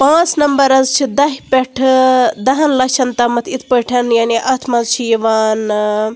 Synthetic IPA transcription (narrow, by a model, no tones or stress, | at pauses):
pãːt͡snɐmbɐɾɐzt͡ʃʰid̪ɐɦipʲeʈʰd̪ɐɦɐnlɐʃʰɐnt̪ɐmɐt̪ʰit̪ʰpəʈʰɐnjaːniʔɐt̪ʰmɐzt͡ʃʰijiʋaːn